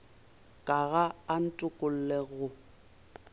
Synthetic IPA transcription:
kʼaɣaːn̩tʼʊkʼʊl̩leɣʊ

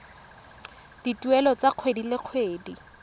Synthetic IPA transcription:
d̥itʼuɛlɔt͡saq͡χʰwedilɪq͡χʰweːdi

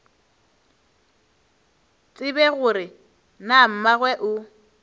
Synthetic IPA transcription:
t͡sʼɪbɛɣʊɾɪ | nam̩maɣwɛʔʊ

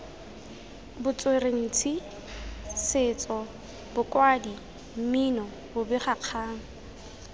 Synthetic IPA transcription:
bʊt͡sʼwereŋ̩t͡sʰi | sɪːt͡sʼɔ | bʊkʼwadi | m̩minɔ | bʊbɪχaq͡χʰaːŋ̩

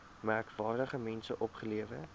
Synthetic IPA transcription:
mærkvɑːrdəχəmɛnsəʔɔpχəliəvə

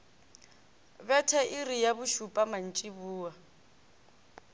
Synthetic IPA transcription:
bɛtʰɛʔirijabʊʃupʼaman̩t͡ʃʼibuːa

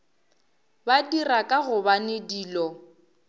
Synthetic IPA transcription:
badirakʼaɣʊbanediːlɔ

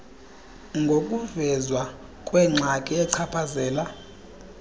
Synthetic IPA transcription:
ŋɡʱokʼuvɛzwa | kʼwɛŋ͡ǀʱakʼiɛǀʰapʰazɛːla

